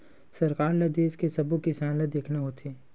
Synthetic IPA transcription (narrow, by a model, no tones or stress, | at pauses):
sɐɾkaːɾlɐd̪eːskesɐbukisaːnlɐd̪eːkʰnaɦoːt̪ʰeː